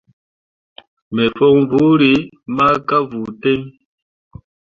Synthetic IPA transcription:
me˨fɔ˦ŋvu˨˦ɾi˨˦ | ma˦ka˦vu˨te˦ŋ

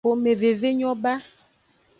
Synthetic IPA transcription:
o˨me˨ve˨ve˦ɲɔ˦ba˦

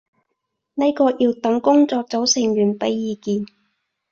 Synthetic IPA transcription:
ne˥jkɔː˧jiː˧wt̪ɐ˨˥ŋkʊ˥ŋt͡sɔː˧k̚t͡so˨˥wsɪ˨˩ŋɥyː˨˩npɐ˨˥jːiː˨˧kiː˧n

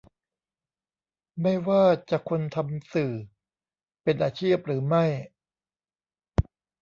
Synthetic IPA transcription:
ma˥˩jwaː˥˩t͡ɕa˨˩kʰo˧nt̪ʰa˧msɯː˨˩ | pe˧nʔaː˧t͡ɕʰiː˥˩p̚ɾɯː˩˦ma˥˩j

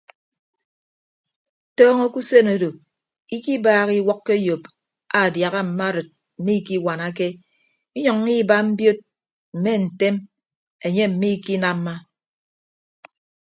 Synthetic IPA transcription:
tɔː˦ŋo˦ku˦se˦no˨do˨ | i˦ki˦baː˦ɣi˦wɔ˦kːe˦jo˨p | a˨dja˨ɣa˦m̩˨ma˦ɾɨ˨t̚ | m̩˨mi˦ki˦wa˨na˦ke˦ | i˦ɲɔ˨ŋ˦i˦ba˦m̩˦bjo˦t̚ | m̩˨me˦n̩˨te˦m | e˨ɲe˦m̩˨mi˦ki˦na˦mː˦a˦

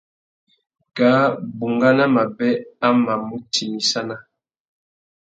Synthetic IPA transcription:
ɡa˨˦bu˨ŋɡa˦na˦ma˨bɛ˦a˦ma˨mu˦tʰi˨mi˨sa˦na˦

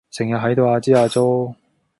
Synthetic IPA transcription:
sɪ˨˩ŋjɐ˨t̚ɦɐ˨˥jt̪o˧waː˧t͡siː˥aː˧t͡so˥w

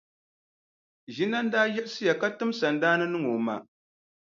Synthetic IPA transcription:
ʒi˦na˦n̩˦daː˦jɛ˦ʔsɨ˦ja˨ka˦tɨ˦msa˨ndaː˦nɨ˦nɨ˦ŋo˨ma̰˨

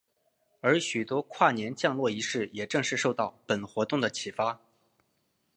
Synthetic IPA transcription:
ə˞˧˥ɕy˨˩t̪wɔ˥kʰwa˥˩njɛ˧˥nt͡ɕjɑ˥˧ŋlwɔ˥˩i˧˥ʂɻ̩˥˩jɛ˨˩ʈ͡ʂɤ˥˧ŋʂɻ̩˥˧ʂo˥˧ʊt̪ɑ˥˩ʊpə˨˩nxwɔ˧˥t̪ʊ˥˩ŋd̪ə˩t͡ɕʰi˨˩fa˥

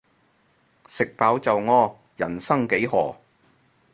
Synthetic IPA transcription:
sɪ˨k̚paː˨˥wt͡sɐ˨wŋɔː˧ | jɐ̰˨˩nsɐ˥ŋke˨˥jɦɔː˨˩

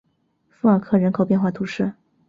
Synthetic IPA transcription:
fu˧˥ə˞˨˩kʰɤ˥˩ɻə˧˥nkʰo˨˩ʊpjɛ˥˧nxwa˥˩t̪ʰu˧˥ʂɻ̩˥˩

